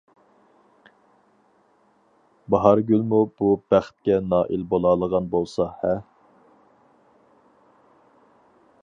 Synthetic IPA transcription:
bɑɦɑɾɡʲylmub̥ubæχt̪̚kʲɛnɑːʔilbolˠɑːlˠəʁɑnbolˠsɑhɛ

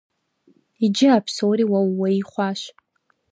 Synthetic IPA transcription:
id͡ʒɪapʰsowɾiwawːaiχʷaʃʷ

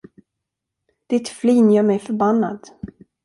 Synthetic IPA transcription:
d̪̥ɪt̪fliːnjœːɾmɛjfœɾbanːa̰d̪̥

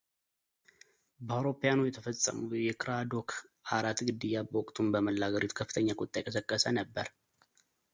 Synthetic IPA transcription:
bəawɾo̞pejanujɛt̪ʰəfəsʼə̰mujɛkʰɾad̪o̞kʰaɾat̪ɡɨd̪ːɨjːabəwɔkʼt̪ʰumbəməlːaɡəɾot̪kʰəfːɨt̪ʰəɲːakʼot̪ʼːajɛkʼəsəkʼːəsənəbːəɾ

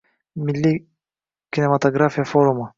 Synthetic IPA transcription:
mɪlʲːi | kʲinʲemɐt̪oɡɾafʲijɐfoɾumə

